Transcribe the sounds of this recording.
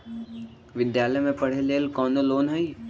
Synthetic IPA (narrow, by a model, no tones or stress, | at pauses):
ʋɪd̪jaːləjmẽpɐɽ̤eleːlkɔːnoloːnɦɐi